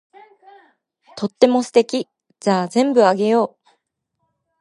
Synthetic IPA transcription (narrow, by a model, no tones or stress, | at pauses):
t̪ʰo̞t̪ːe̞mo̞sɨ̥t̪e̞kʲi | d͡ʑazẽ̞mbɯ̟aɡe̞jo̞ː